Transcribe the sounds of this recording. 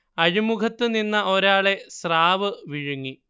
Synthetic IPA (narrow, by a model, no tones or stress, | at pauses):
ɐɾimukɐt̪ːɨninːɐʔo̞ɾaːɭe̞sraːʋɨʋiɻuŋːi